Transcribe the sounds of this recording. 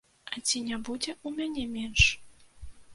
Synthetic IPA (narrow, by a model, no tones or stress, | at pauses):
at̪ʲinʲæbudʲeʔumʲenʲemʲenʃ